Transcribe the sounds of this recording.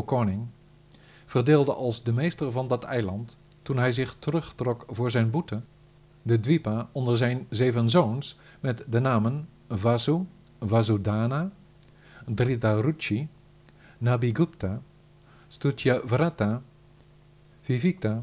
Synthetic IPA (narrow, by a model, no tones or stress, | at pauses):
kɔnɪŋ | v̥ərdɪːlˠdəʔɑlˠzdəmejstərvɑndɑtʰɛ̰jlɑntː | unɦɛjzɪχtərɵχtrɔkvʊːɹzɛjnbutə | dədʋipaɔndəɹzɛjnzeːvənzowns | mɛtdənaːmən | vasu | vazudaːna | dritarut͡ʃi | nabiɡupta | stutjavrata | v̥ivik̚ta